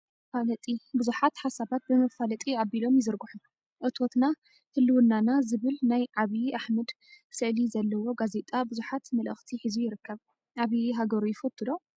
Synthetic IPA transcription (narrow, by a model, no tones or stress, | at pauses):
falɐt̪ʼibɨzuħat̪ħasaβat̪̚bɨmɐfalɐt̪ʼiabilo̞mjɪzɨɾɡuħun | ʔɨt̪ʰo̞t̪na | hɨlːɨwɨnːanazɨβɨlnajʕaβiʔaħmɐd̪ | sɨʕlizɐlːɐwo̞ɡaze̞t̪ʼabɨzuħat̪mɐlʔɨxt̪ʰiħizujɪɾɨkʰːɐβ | ʔaβiɦaɡɐɾujɪfɐt̪ʰːɨd̪o̞